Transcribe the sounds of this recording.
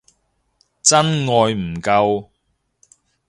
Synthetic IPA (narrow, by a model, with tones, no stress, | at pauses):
t͡sɐ˥nŋɔː˨˧jm̩˨˩kɐ˧w